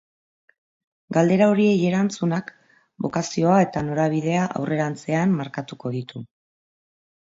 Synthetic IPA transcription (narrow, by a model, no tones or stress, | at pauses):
ɡald̪e̞ɾao̞ɾie̞je̞ɾant͡sunak | bo̞kasio̞ae̞t̪ano̞ɾaβ̞iðe̞aʔa̰wre̞ɾant͡se̞amːaɾkat̪uko̞ðit̪u